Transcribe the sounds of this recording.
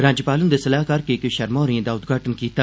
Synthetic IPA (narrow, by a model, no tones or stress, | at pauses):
ɾãːd͡ʒəpaːlənd̪esəlaːɦkɐɾkekːʃɐɾmɔ̃ːɾiẽːd̪aːʊt̪ɡʱaːʈənkiːt̪aː